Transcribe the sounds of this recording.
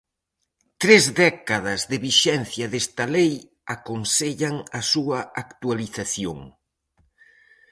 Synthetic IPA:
t̪ɾezðɛkaðɐzðɪβiʃɛn̟θjɐðest̪ɐlej | akonseʎɐŋɐsuɐakt̪waliθaθjo̰ŋ

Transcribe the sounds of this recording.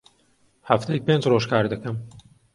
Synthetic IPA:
haft̪ʰejipeːnd͡ʒroːʒkʰaːɾd̪ɨkʰɐm

